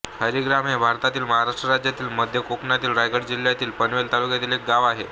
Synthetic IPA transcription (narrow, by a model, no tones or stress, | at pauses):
həɾiɡɾamɦebʱaɾt̪at̪iːlməɦaɾaʂʈɾəɾad͡ʑjat̪iːlməd̪ʱjəkoknjat̪iːlɾajɡəɽd͡ʑiljat̪iːlpənʋelt̪alukjat̪iːlek̚ɡaʋaɦe